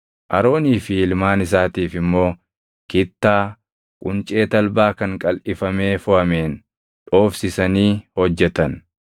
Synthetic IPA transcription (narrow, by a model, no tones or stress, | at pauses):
ʔɐɾo̞ːniːfɪɪlmaːnɪs̬aːt̪iːfɪmːo̞ː | kɪt̪ːaː | kʼʊnt͡ʃʼe̞ːt̪ɐlbaːkɐŋkʼɐlʔɪfɐme̞ːfʊhɐmeːn | ᶑo̞ːfsɪsɐniːhɔd͡ʒːɛt̪ɐn